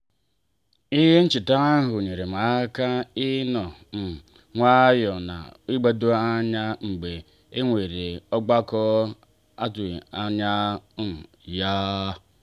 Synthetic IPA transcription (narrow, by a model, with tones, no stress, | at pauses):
i˦ɦe˦n̩˦t͡ʃi˨ta˦a˦ɦʊ˨ɲe˨ɾe˨ma˨˦ka˦i˦nɔ˨m̩˨ | ŋʷa˦jɔ˨na̰˨i˦ɡ͡ba˦do˦a˦ɲa˦ŋ͡m̩˨ɡ͡be˨ | e˦ŋʷe˨ɾe˨ɔ˦ɡ͡ba˦kɔ˦ | a˦tu˨a˨ɲa˦˨ | ja˦